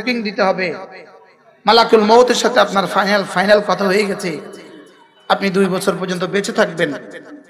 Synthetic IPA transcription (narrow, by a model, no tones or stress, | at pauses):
kiŋd̪it̪eɦɔbe | malakulmot̪eɾʃat̪ʰeapnaɾfajnalfajnalkɔt̪ʰaɦojeɡɛt͡ɕʰe | apnid̪ujbɔt͡ɕʰoɾp̬oɾd͡ʑont̪̬obet͡ɕʰet̪ʰak̚ben